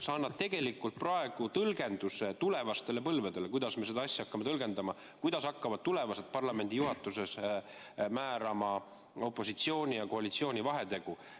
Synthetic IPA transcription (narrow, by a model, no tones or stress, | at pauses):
sɑɑnːɑd̥̪̚t̪e̞ɡe̞likːˑult̪̚prɑe̞ɡ̥ut̪ɤlɡe̞nd̪̥use̞t̪ule̞vɑst̪e̞le̞pɤlved̪̥elekujd̪̥ɑsme̞se̞d̪ɑɑsʲːɑɑkːɑme̞t̪ɤlɡ̥e̞nd̪ɑmɑ | kujd̪̥ɑsɑkːɑvɑd̪̚t̪ule̞vɑse̞t̪̚pɑrlɑme̞nʲd̪ijuɦɑt̪ːˑuse̞s | mæːɾɑmɑ | o̞pːˑo̞sit̪sio̞ːnʲijɑko̞ɑlit̪sio̞ːnʲivɑɦe̞t̪e̞ɡ̥u